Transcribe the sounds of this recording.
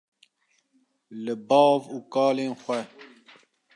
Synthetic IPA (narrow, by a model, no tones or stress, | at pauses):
lɨbɑːvuːkɑːleːnxʷɛ